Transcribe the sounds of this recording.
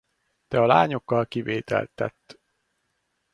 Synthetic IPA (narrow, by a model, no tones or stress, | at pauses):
t̪ɛɒlaːɲo̞kːɒlkiveːt̪ɛ̰lt̪ːɛ̰t̪ː